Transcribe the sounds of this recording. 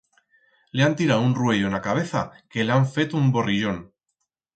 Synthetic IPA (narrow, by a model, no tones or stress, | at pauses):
le̞ant̪iɾawunrwe̞ʝo̞enakaβ̞e̞θa̰ke̞leaɱfe̞t̪umbo̞riʝo̞n